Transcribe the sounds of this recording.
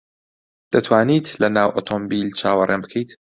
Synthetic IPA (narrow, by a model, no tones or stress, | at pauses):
d̪̥ɐt̪ʰwaːniːt̪lɐnaːwʔoːt̪ʰombiːlt͡ʃʰaːwɐrʔenbɨkʰɛjt̪